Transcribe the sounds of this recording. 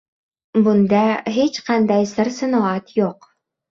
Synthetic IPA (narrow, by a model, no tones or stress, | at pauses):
bund̪ɑɦit͡ɕqɑnd̪ɑjsɘ̆ɾsɤ̆nŏɑt̪juq